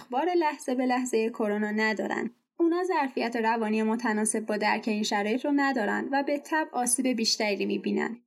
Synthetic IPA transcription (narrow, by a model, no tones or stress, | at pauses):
xbɒːɾe̞læhz̥e̞be̞læhze̞jekʰo̞ɾonɒːnæd̪ɒ̰ːɾæ̰nd̪̥ | uːnɒːzæɾfijæt̪ʰeɾævɒːnijemot̪ʰænɒːse̞b̚ːɒːd̪æɾcʰe̞iːnʃæɾɒːjet̪ʰɾonæd̪ɒːɾæ̰nd̪væbe̞t̪ʰæbʔɒːsiːbe̞biːʃt̪æɾiimibiːnæ̰nd̪̥